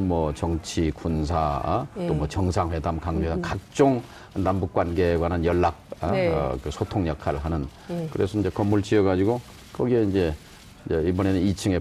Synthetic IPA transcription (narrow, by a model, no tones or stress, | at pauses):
mwʌt͡ɕʌŋt͡ɕʰikunsʰat͈omwʌt͡ɕʌŋsʰaŋɸwe̞damkaŋɡeakak̚t͡ɕ͈oŋ | nambuk̚k͈wanɡe̞ɡwanɯnjʌɭːak̚a̰kɯsʰotʰoŋjʌkʰaɾɯɭɦanɯn | kɯɾe̞sʰʌind͡ʑe̞kʌmːuɭt͡ɕieɡad͡ʑiɡo | kʰʌɡieind͡ʑe̞ | d͡ʑeibʌne̞nɯnit͡ɕʰɯŋe̞